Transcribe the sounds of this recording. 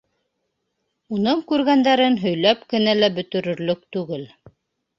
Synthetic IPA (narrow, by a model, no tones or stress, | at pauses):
unɤɴkʉɾɡænd̪æɾɘnɦɵ̆jlæpkɘ̆nælæbɵ̆t̪ɵ̆ɾɵ̆ɾlɵk̚t̪ʉɡɘl